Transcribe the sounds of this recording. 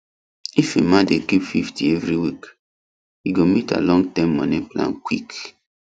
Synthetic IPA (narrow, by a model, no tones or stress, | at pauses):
ifemãndekipfiftievɾiwik | iɡomita̰lɔ̃ŋɡtãmːɔ̰nĩplã̰nkwḭk